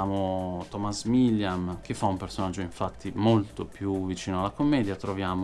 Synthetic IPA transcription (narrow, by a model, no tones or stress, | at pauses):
aːmot̪ɔmasmilːjamk̟efːaumpersonad͡ʒːoĩɱfat̪ːimolt̪opʰjuvːit͡ʃiːnoalːakomːɛːd̪jat̪ɾovjaːm